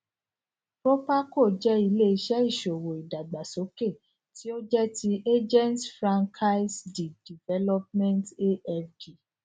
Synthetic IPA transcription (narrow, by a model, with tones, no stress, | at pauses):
pɾo˦pa˦ko˦˨d͡ʒɛ˦i˧le˦i˧˦ʃɛ˦i˦˨ʃo˨wo˨i˨da˨ɡ͡ba˨so˨˦ke˦˨ | ti˦o˦d͡ʒɛ˦ti˧ʔe˦d͡ʒɛ̃˦ntfɾã˦ŋkʰa˦i˦sdi˨di˨vɛ˦lɔ˦p̚mɛ̃˦nte˦ɛ˦fdi˨